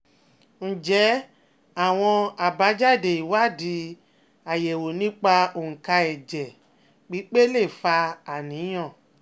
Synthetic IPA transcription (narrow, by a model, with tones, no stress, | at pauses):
n̩˨d͡ʒɛ˨˦ | a˦˨w̃ɔ̃˧a˨ba˨˦d͡ʒa˦˨de˨i˨wa˦˨di˨˦ | a˨je˨wo˨nĩ˨˦k͡pa˧o˨ŋ̩˨ka˧ɛ˨d͡ʒɛ˨ | k͡pi˨˦k͡pe˦le˦˨fa˧a˨nĩ˨˦j̃ɔ̃˦˨